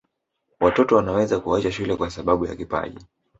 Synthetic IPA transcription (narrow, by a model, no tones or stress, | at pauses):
watɔtɔwanawɛzakuat͡ʃaʃulɛkwasaɓaɓuja̰kipa̰ʄḭ